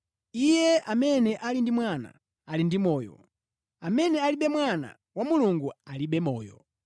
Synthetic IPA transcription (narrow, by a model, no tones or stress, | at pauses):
ijɛʔamɛnɛʔalindimwana̰ | alindimɔːjɔ̰ | amɛnɛaliɓɛmwana̰ | wamuluŋɡualiɓɛmɔːjɔ̰